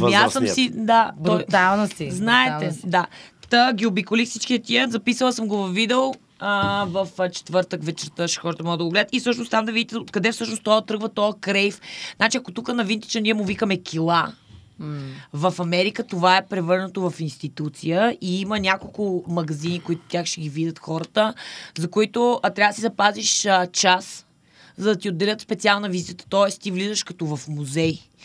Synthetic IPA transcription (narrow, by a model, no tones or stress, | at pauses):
jasəmmid̪ab̪ɔjt̪alˠnsiznaɛɛd̪at̪əɡʲiobikolifsit͡ʃkiɐt̪iəzɐpisəlˠəsəmɡovɐfːid̪ɛo | əvɐft͡ʃɛ̥t̪vɤɾt̪əkvɛt͡ʃɛɾt̪əʃi̥xɔɾət̪əmɔɡəd̪ɐɡoɡlɛd̪ət̪ifsɤʃnost̪amd̪ɐvid̪ʲit̪ɛot̪kɐd̪ɛfsɤʃnost̪ɔət̪ɾɤɡvət̪ɔəkɾɛjfznat͡ʃiɐkot̪ukənɐvint̪i̥t͡ʃənʲiɛmʊvikəmɛkʲʰilˠa | vɐfɐmɛɾikət̪ovaɛpɾɛvɤɾnət̪ovɐfinst̪it̪ut̪sijəiimənʲakolˠkʊmɐɡɐzinikoit̪ʊ̥t̪jaxʃɛɡʲivid̪ʲət̪xɔɾət̪əzɐkoit̪ʊt̪ɾavəd̪sizɐpaziʃət͡ʃas | zɐd̪ɐt̪iod̪ːɛlʲət̪spɛt̪sialˠnɐviziət̪ə̥t̪ɔɛst̪ivlizəʃkɐt̪ɔvɐfmuzɛj